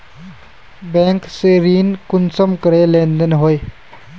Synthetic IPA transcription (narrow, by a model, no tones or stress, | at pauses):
bɛ̃ŋkseɾiːnkunsəmkəɾelẽnd̪ənɦoj